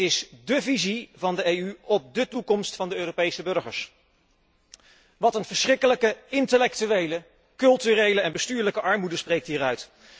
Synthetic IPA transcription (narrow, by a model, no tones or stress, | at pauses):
ɪsdəvizivɑndəejyɔp̚dətukɔmstfɑndəøːrowpejsəbɵɹχə̰ɹs | ʋɑtənvəɹsrɪkələkəɪntəlɛk̚tyʋejlə | kɵlˠtyrejləɛnbəstyːɹləkəʔɑɹmudəsprejk̚tɦiːɾœɥt